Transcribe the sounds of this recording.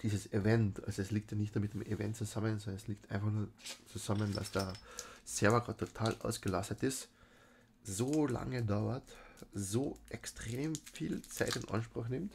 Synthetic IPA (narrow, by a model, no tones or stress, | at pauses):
d̥iːzəsevɛntʔa̰lzoɛsliːk̚tjanɪçtd̥amɪtd̥emevɛ̰ntt͡suzamənsɔndənɛsliːk̚tʔaɪnfaχnuːɐt͡suzamənda̰sd̥eːɐsɛɐvɐɡɑːtʰːotʰaːlʔa̰ʊsɡ̥əlastətɪs | zoːla̰ŋədaʊɐtzoːʔɛkstʁ̥eːmfiːlt͡saɪtɪnʔa̰nʃpʁ̥ʊxnɪmt